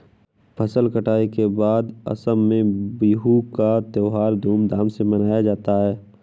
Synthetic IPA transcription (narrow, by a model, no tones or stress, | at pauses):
pʰɐsəlkəʈaːikebaːd̪ɐ̰səmːẽbiːɦukat̪eːɦaːɾd̪ʱuːmd̪aːmsemɐnaːjad͡ʒaːt̪aɦɛː